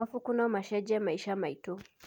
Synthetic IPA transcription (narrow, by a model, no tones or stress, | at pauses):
afukunaɔmaʃɛd͡ʒɛamaiʃaamaitɔ